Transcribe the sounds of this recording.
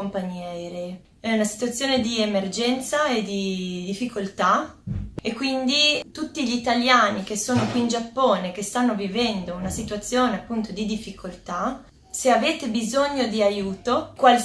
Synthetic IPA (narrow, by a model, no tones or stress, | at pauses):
ompaɲːɛːɾe | ɛunasi̥t̪uat̪sːjoːned̪iemerd͡ʒɛnt̪saed̪id̪ifːikʰolt̪a | ekːwind̪it̪ut̪ːiʎit̪aljaːnik̟esːoːnokwiːnd͡ʒapːoːnek̟est̪anːovivɛnd̪ounasit̪uat̪sːjoːneapːunt̪od̪id̪ifːikʰolt̪a | seaveːt̪ebizoɲːod̪iajuːt̪okwal